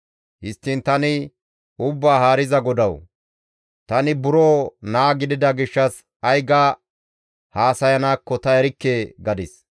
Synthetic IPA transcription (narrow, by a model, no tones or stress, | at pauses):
hɪst̪ːɪnt̪ɐnɪ | ʊbːaːɦaːɾɪzɐɡɔd̪ɐw | t̪ɐnɪbʊɾoːnaːɡɪd̪ɪd̪ɐɡɪʃːɐs | ɐjɡaː | haːsɐjɐnaːkːɔt̪ɐɛɾɪkːeːɡɐd̪ɪs